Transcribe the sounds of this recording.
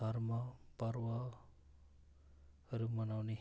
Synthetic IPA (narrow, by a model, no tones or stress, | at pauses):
aɾmapəɾwa | əɾumʌnawni